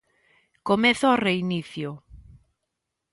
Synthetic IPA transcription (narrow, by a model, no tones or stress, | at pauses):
komeθʊɔreiniθjo